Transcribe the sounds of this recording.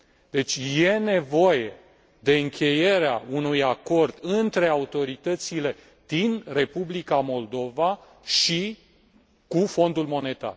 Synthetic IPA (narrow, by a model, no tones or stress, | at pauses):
d̪̥e̞t͡ʃʲje̞ne̞vo̞je | d̪e̞ɨŋkʰʲe̞je̞ɾeaunujako̞rd̪ɨnt̪ɾe̞aut̪o̞ɾit̪ət̪sile̞ | d̪̥inre̞publikamo̞ld̪o̞va | ʃi | kufo̞nd̪ulmo̞ne̞t̪a̰r